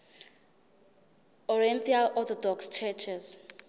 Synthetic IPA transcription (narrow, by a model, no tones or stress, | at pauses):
ɔɹɛnt̪ʰialɔt̪ʰɔdɔkst͡ʃʰɛt͡ʃʰɛs